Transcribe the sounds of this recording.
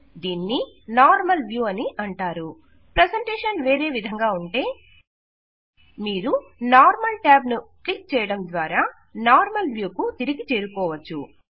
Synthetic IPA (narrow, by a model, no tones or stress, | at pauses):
d̪iːnːi | naːɾmɐlʋjuːɐniʔɐɳʈaːɾu | pɾɐseɳʈeːʂɐnʋe̞ːɾe̞ːʋid̪ʱɐŋɡaːuɳʈe̞ː | miːɾunaːɾmɐlʈaːbnuklik̚t͡ʃɛːjɐɽɐmd̪ʋaːɾaː | naːɾmɐlʋjuːkut̪iɾiɡit͡ʃeːɾukɔːʋɐt͡ʃːṵ